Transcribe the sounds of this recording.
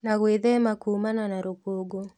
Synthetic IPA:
naɣweðɛmakumananaɾopoɡo

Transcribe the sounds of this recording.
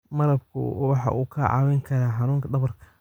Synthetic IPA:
mɐɾɐbkʰʊ̰wɑħɑ̰ʔuːkʰɐʕɑ̰wɪŋkʰɐɾaːħɑnuːŋkʰɐd̪ɐβɐrkʰɐ̥

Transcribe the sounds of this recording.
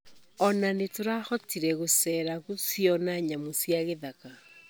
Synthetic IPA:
ɔnanetoɾahɔtiɾɛɣosɛɾaɣusjɔnaɲamosjaɣeðaka

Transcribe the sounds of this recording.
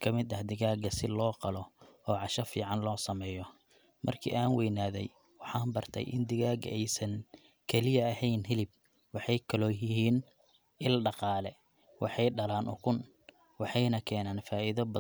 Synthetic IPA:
kʰɐmɪd̪ɐhd̪ɪɣaːɡɐsɪlɔːqɑlɔɔːʕɑʃɐfiːʕɑnlɔːsɐmɛːjɔ | mʔɐ̰rkʰḭːʔaːnwɛjnaːðɛj | wɑħɑːnbɐrt̪ʰɛ̰jʔɪ̰nd̪ɪɣaːɡɐ̰ɛjsɐŋ | kʰɛlɪjɐɐhɛjnɦɪlɪb̚ | wɑħɑjkʰɐlɔːjɪɦiːn | ɪlɖɑqɑːlɛ | wʔɑ̰ħɑjɖɐlaːnʔʊ̰kʰʊn | wɑħɑjnɐkʰɛːnaːnfaːʔiðɐbɐ

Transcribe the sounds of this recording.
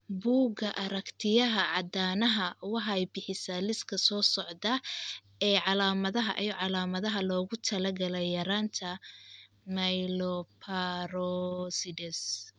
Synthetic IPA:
buːɡɐʔɐɾɐkt̪ʰɪjɐɦɐʕɑd̪aːnɐɦɐwɑħɑɛjbɪħɪsɐlɪskʰɐsɔːsɔʕdɐ | ɛːʕɑlaːmɐðɐɦɐ̰ʔijɔʕɑlaːmɐðɐɦɐlɔːɣʊt̪ʰɐlɐɡɐlɛjjɐɾaːnt̪ʰɐ | mɐjlɔpʰaɾɔsidɛs

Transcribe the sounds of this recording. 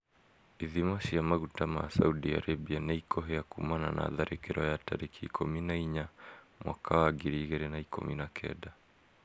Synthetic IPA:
iðimaʃijamaɣutama̰sa̰uɗia̰ɾabianaikʰɔɦɛakumana̰na̰ðaɾʔikɛɾɔjata̰ɾikiːkʰɔminaiɲa | mwʔa̰kawaɡiɾiɣɛɾɛnaikɔ̰minakʰɛ̰ɗa

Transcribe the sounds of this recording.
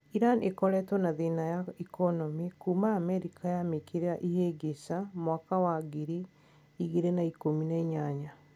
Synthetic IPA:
iɾanekɔɾɛtwɔnaðinajaikɔnɔmikuːmaːmɛɾikʰajamekeɾeaʔijeɡesamwakawaɡiɾi | iɣeɾenaikominaiɲaɲa

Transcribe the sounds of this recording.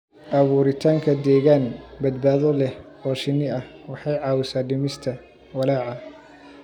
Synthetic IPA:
ʔɐβuːɾɪt̪ʰaːŋkʰɐd̪ɛːɣaːnbɐd̪baːðɔlɛhɔːʃɪnɪɐhwɑħɑjʕɑːwɪsaːɖɪmɪst̪ʰɐ | wɐlaːʕɑ

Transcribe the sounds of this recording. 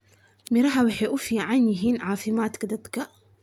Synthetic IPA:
miɾaħawiħiʔufiʕaniɦinʕaːfimaːt̪kd̪at̪ka

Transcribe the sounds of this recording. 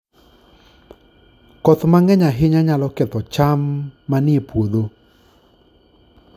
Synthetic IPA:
kɔt̪maŋɛɲaɦɪɲaɲalɔkɛt̪ɔt͡ʃamːanɪepwod̪o

